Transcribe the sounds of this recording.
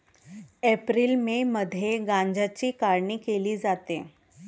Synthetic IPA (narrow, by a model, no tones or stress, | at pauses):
epɾiːlmeməd̪ʱjeɡãɲd͡ʑat͡ɕiːkaɾɳiːkeliːd͡zat̪e